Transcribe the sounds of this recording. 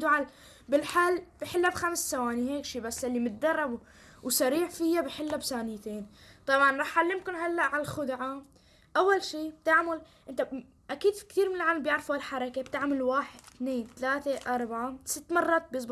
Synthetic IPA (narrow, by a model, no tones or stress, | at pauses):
d̪uʕal | bɪlħalːb̥ɪħɪlːabxamsːawaːniɦeːkʃiːbasːalːimʊt̪̚d̪ɑrˤːɑbu | wsaɾiːʕfɪjabɪħɪlːabsaːnɪjt̪eːnt̪ˤɑbʕɑnɾˤɑːħalːɪmkʊnɦalːaʔʕalxʊd̪ʕa | ʔawːalʃiːb̥̚t̪aʕmal | ʔɪnt̪a | ʔakiːd̪fi̥kt̪iːɾmɪnɪlʕaːlambjɪʕɾˤfualħɑɾˤɑkebt̪aʕmalwaːħɪd̪̥̚t̪neːnt̪alaːt̪eʔɑɾˤbaʕasɪt̪ːmɑrˤːɑːt̪̚bjɪs̬ˤb